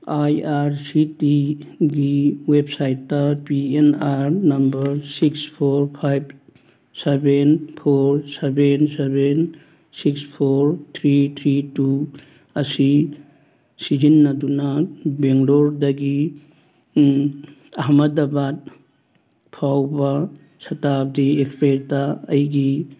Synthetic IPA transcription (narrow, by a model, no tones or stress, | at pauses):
ajaɾsitiɡiwep̚sajtːɐpienaɾnɐmbɐɾsikspʰoɾpʰajb̚ | sebenpʰoɾsebenseben | sikspʰoɾt̪ʰɾit̪ʰɾitu | ɐsi | sid͡ʒinːɐdunɐbeŋloɾdɐɡi | ɐɦmɐdɐbat̚ | pʰawbɐ | sɐtap̚diekspeɾtɐɐ̰jɡi